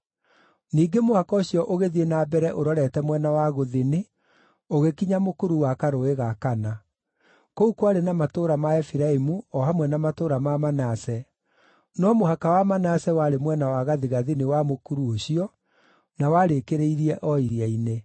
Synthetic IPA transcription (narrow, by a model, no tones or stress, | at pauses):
niːɡemohakɔoɕjɔʔoɣeðienabɛɾɛʔoɾɔɾɛtɛmwɛnawaɣoðene | oɣekiɲamokuɾuwakaɾoeɣakana | koukwaɾenamatoɾamaɛfiɾaimuɔɦamwɛnamatoɾamamanasɛ | nɔmoɦakawamanasɛwaɾemwɛnawaɣaðiɣaðinewamokuɾuoɕiɔ | nawaɾekeɾeiɾiɛʔɔiɾiaine